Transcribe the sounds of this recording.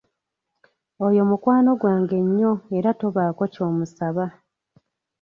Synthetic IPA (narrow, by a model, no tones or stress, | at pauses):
o̞jo̞mukwaːno̞ɡwaːŋɡe̞ɲːo̞e̞ɾato̞βaːko̞co̞ːmusaβa